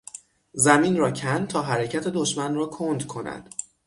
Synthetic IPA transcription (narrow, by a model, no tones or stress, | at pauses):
zæmiːnrɒːcʰænt̪ʰɒːɦæɾecʰæt̪ʰe̞d̪oʃmænrɒːkʰond̪kʰo̞næ̰d̪̥